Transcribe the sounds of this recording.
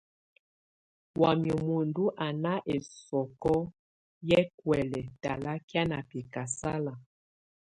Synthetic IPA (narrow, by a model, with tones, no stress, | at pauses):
wa˨mjɔ˨mo˨ndu˦ʔa˨na˦ʔe˨sɔ˨kɔ˦ | jɛ˦kwɛ˨lɛ˨ta˨la˦kja˦na˨pi˨ka˨sa˦la˨